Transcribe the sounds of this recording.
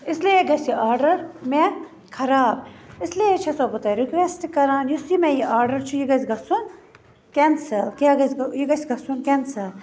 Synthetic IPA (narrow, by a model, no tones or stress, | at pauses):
islieɡɐsʲiaːɾɖɐɾme | kʰɐɾaːbɪsliet͡ʃʰɐsobut̪ɐɾikʋesʈkɐɾaːnjusimẽjiʔaːɾɖɐɾt͡ʃʰujiɡɐsʲɡɐsun | kensɐlkeɡɐsjiɡɐsʲɡɐsunkensɐl